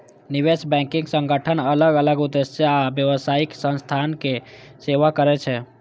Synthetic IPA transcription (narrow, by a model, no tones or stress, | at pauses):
niʋesbɛ̃ŋkiŋɡsəŋɡəʈʰənələɡələɡud̪esjəabjəʋəsaiksə̃nst̪ʰanke | seʋakəɾɛt͡ʃʰɛ